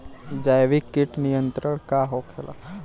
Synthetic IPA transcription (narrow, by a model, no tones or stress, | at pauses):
d͡ʒajʋikːiʈnijənt̪ɾəɽ̃kaɦokʰela̰